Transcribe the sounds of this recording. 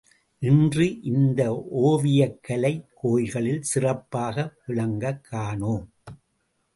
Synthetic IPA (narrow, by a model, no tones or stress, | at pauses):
ʔɪndrɯʔɪnd̪ɐʔoːʋɪjɐkːɐlɐɪkoːjɣɐɭɪlsɪrɐpːaːɣɐʋɪɭɐŋɡɐkʰːaːɳoːm